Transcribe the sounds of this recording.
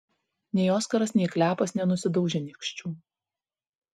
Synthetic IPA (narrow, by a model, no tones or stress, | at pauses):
nʲɛɪoːskɐɾɐsnʲɛɪklʲæːpɐsnʲɛnʊsʲɪd̪ɒʊʒʲeːnʲɪkʃʲt͡ʃʲuː